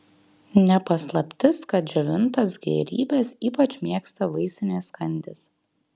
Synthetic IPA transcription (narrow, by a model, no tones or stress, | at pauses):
nʲɛpɐslˠɐpʲt̪ʲɪskɐt̪̚d͡ʒʲɛʋʲɪnt̪ɐsɡʲɛ̰ːɾʲiːbʲɛsiːpɐt͡ʃʲmʲeɛkst̪ɐʋɐɪsʲɪnʲɛskɐnʲd̪ʲɪs